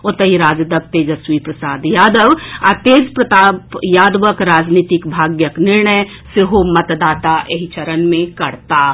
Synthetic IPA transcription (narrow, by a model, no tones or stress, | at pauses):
ot̪əɦiɾad͡ʒd̪əb̚t̪ed͡ʒəswipɾəsaːd̪jaːd̪əʋa̰t̪ed͡ʒpɾət̪apjad̪ʋəkɾaːd͡ʒnit̪ikbʱaɡjəknɪɾɳəj | seɦomət̪d̪aːt̪aʔeɦit͡ʃəɾənmẽkəɽt̪a